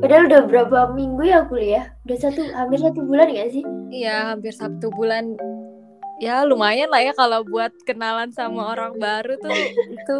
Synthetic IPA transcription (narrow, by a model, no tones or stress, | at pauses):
kadanudahbəɾapamiŋɡujakulijaudahsat̪uhampɪrsat̪ubulanɡansɪhijaɦampɪrsat̪ubulan | jalumajanlahjakalabuat̪̚kənalansamaoɾaŋbaɾut̪ʊit̪u